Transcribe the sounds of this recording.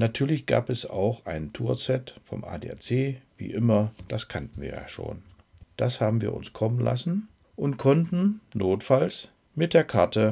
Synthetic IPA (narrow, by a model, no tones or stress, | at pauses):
natʰyːɐlɪçɡ̥a̰ːpɛsa̰ʊxʔaɪnntʰuːɐt͡sɛtfɔ̰mʔa̰ːdḛːa̰ɐt͡seːv̥ḭːʔɪmɐd̥askʰantn̩viːɐja̰ːʃo̰ːn | d̥ashaːbm̩viːɐʔʊ̰nskʰɔmənla̰sn̩ | ʔʊntkʰɔntn̩nʔoːtfals | mɪt̚d̥eːɐkʰaɐtə